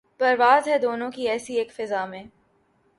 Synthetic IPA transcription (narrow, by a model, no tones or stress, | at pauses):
pɐɾʋaːzɦɛd̪oːnõkiɛːsieːkfɪzamẽː